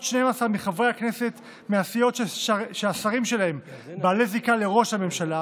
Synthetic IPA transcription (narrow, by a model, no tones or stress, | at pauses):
ʃneemasaʁmiχavʁejakne̞se̞t̪ | measijo̞tʃeasaʁimʃe̞lahe̞mbaːlezikale̞ʁo̞ʃhame̞mʃala